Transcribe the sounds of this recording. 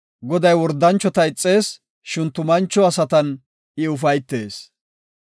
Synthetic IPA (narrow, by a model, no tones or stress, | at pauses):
ɡɔd̪ɐjwɔɾd̪ːɐnt͡ʃːɔt̪ɐɪt͡sʼːe̞ːs | ʃɪnt̪ʊmɐnt͡ʃːɔɐsɐt̪ɐn | ɪʊfɐjt̪ːe̞ːs